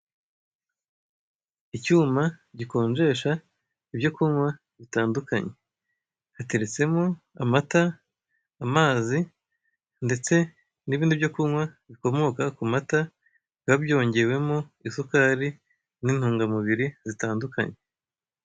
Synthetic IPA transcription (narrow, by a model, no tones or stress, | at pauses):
icuːmaɟiko̞ːnʒe̞ːʃa | ibjo̞kuŋwa | βitaːndukaɲe̞ | hate̞ɾe̞t͡se̞mo | amataː | maːzi | nde̞t͡se̞ | niβiːndibjo̞kuŋwaβiko̞mo̞kakumata | βabjo̞ːɲɟe̞we̞moisukaɾi | nin̥huːŋɡamuβiɾizitaːnduka̰ɲe